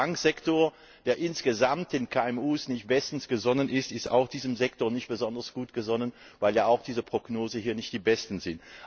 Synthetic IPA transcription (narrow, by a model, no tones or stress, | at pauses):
aŋkz̥ɛktoːɐ | d̥eːɐʔɪnsɡ̥əzamtɪnkʰaːɛmuːsnɪçt̚b̥ɛstn̩sɡ̥əzɔnənʔɪstɪsta̰ʊxd̥iːzəm̩zɛk̚toːɐnɪçt̚b̥əzɔndɐsɡ̥uːtɡ̥əzɔnən | vaɪljaːaʊxd̥iːzəpʁ̥oɡ̥noːzn̩hiːɐnɪçtd̥iːbɛstn̩zɪnt